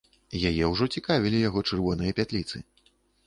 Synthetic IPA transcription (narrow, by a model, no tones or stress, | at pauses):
jajɛwʐɔt͡sʲikavʲilʲijaɣɔt͡ʂɨrvɔnɨjɐpʲat̪lʲit̪sɨ̰